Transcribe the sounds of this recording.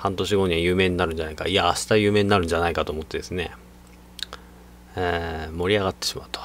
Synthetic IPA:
hãnt̪o̞ɕ̬iɡo̞ːɲ̟iβajɯ̟ːme̞ːɲ̟inaɾɯ̟n̟d͡ʑanaika̰iaaɕi̥t̪ajɯ̟ːme̞ːɲinaɾɯ̟ɲd͡ʑanaikat̪o̞ːmo̞t̪ːe̞d̪e̞sɨne̞̰ | eːmo̞ɾʲiaɣat̪ːeɕima̰ɯ̟t̪o̥

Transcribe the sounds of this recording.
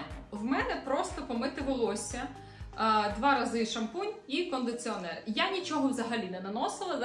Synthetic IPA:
wmɛnɛpɾɔst̪ɔpɔmɪt̪ɪʋɪlˠɔsʲɐ | d̪ʋɑɾɐzɪʃɐmpunʲikɔnd̪ɪt͡s̪ʲiɔnɛrjanʲit͡ʃɔɦɔwzɐɦɐlʲinɛnɐnɔsɪlˠɐd̪

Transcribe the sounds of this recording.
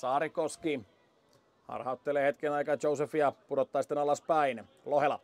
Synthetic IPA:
sɑːɾikoski | hɑ̰rhɑut̪ːeleːhet̪kenɑikɑt͡ʃousefijɑpudot̪ːɑːsi̥t̪ːenɑlɑspæin | lohelɑ

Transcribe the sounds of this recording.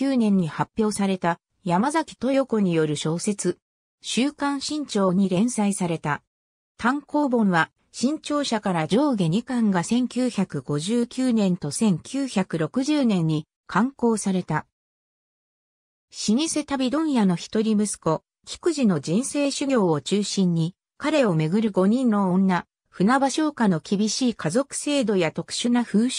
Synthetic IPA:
ɯːnẽ̞ɲ̟ːihapʲjo̞ːsaɾe̞t̪a | jamazakʲi̥t̪o̞jo̞koɲ̟ijo̞ɾɯ̟ɕo̞ːse̞t͡sɨ | ɕɨːkãɰ̃ɕĩɲ̟t͡ɕo̞ːɲ̟iɾẽ̞ɰ̃saisaɾe̞t̪a | t̪ãŋko̞ːbõ̞ɰ̃βa | ɕĩɲt͡ɕo̞ːɕakaɾad͡ʑo̞ːɡe̞ɲ̟ikãŋɡasẽ̞ŋkʲɨːçakɯ̟ɡo̞ʑɨːkʲɨːnẽ̞nt̪o̞sẽ̞ŋkʲʰɨːçakɯ̟ɾo̞kɯ̟ʑɨːnẽ̞ɲ̟ːi | kʰãŋko̞ːsaɾe̞t̪a | ɕiɲ̟iset̪abʲid̪õ̞ɰ̃jano̞çi̥t̪oɾʲimɯ̟sɨ̥ko̞ | kʲi̥kɯ̟ʑino̞d͡ʑĩɰ̃se̞ːɕɨɡʲo̞ːot͡ɕɨːɕĩɲ̟ːi | kaɾe̞o̞me̞ɡɯ̟ɾɯ̟ɡo̞ɲ̟ĩnːo̞õnːa | ɸɯ̟nabaɕo̞ːkano̞kʲibʲiɕiːkazo̞kɯ̟̥se̞ːd̪o̞jat̪o̞kɯ̟̥ɕɨnaɸɯ̟ːɕ

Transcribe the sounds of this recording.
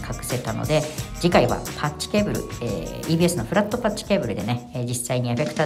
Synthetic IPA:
kʰakɯ̟se̞t̪ano̞̰d̪e̞d͡ʑikaiβa̰pʰat͡ɕt͡ɕːi̥ke̞ːbɯ̟ɾɯ̟̰ḛiːbʲiːesɨno̞ɸɯ̟ɾat̪ːo̞pat͡ɕt͡ɕːi̥ke̞ːbɯ̟ɾɯ̟d̪e̞ne̞d͡ʑisːaiɲ̟ieɸe̞kɯ̟t̪a

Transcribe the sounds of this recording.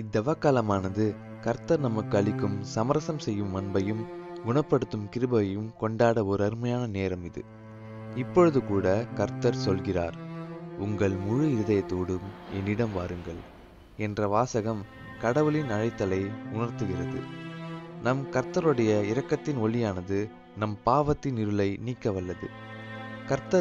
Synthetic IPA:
ɪd̪ːɐʋaːkaːlɐmaːnɐðɯ | kɐɾt̪ːɐɾnɐmɐkːɯɐɭɪkːɯmsɐmɐɾɐsɐmsɛjːɯmːɐnbɐjɯmɡʊɳɐpːɐɽɯt̪ːɯmkɪɾɯbɐɐjɯmkɔɳɖaːɽɐɔɾɐɾɯmɐjaːnɐneːɾɐmɪðɯ̰ | ɪpːɔɻɯðɯkuːɽɐkɐɾt̪ːɐɾsɔlɣɪra̰ːɾʊŋɡɐɭmʊɻɯɪɾɯðɐjɐt̪ːoːɽɯmɛnːɪɽɐmʋaːɾɯŋɡɐɭ | ɛndrɐʋaːsɐɣɐm | kɐɽɐʋɯɭɪnɐɻɐɪt̪ːɐlɐɪʊnɐɾt̪ɯɣɪrɐðɯ̰ | nɐmkɐɾt̪ɐɾɯɽɐjɐɪɾɐkːɐt̪ːɪnɔɭɪjaːnɐðɯ | nɐmpaːʋɐt̪ːɪnɪɾɯlɐɪniːkːɐʋɐlːɐðɯ̰ | kɐɾt̪ːɐ

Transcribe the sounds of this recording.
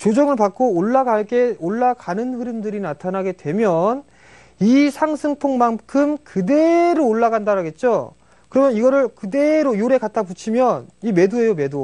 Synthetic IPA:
t͡ɕod͡ʑʌŋɯɭpak͈̚oːɭːaɡaɭk͈e̞oɭːakanɯnɸɯɾɯmdɯɾinatʰanaɡe̞dwe̞mjʌn | isʰaŋsʰɯŋpʰoŋmankʰɯmkɯde̞ɾoːɭːaɡandaɾaɡe̞t̚t͡ɕ͈o | kɯɾʌmjʌniɡʌɾɯɭkɯdeɾojoɾe̞kat̚t͈ʰaput͡ɕʰimjʌnime̞due̞jome̞do

